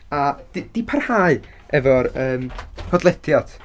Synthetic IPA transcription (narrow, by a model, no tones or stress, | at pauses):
ad̥id̥ipʰarhaːɨ | ɛvɔɾəːmhʰɔdlˠɛtʰjad̥